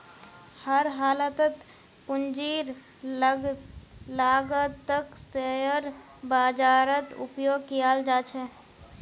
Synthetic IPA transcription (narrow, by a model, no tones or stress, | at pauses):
həɾɦaːlət̪ət̪ | pʊnd͡ʒiːɾ | laːɡət̪ːəkseəɾ | baːd͡ʒaːɾət̪ṵpjoːɡkijald͡ʒaːt͡ʃʰɛ